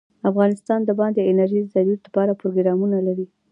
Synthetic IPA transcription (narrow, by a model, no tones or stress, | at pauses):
afɣɑnɪst̪ɑnd̪əbɑnd̪eɪnaɾʒid̪zaɾuɾd̪əpɑɾapɾoɡɾɑmunalaɾi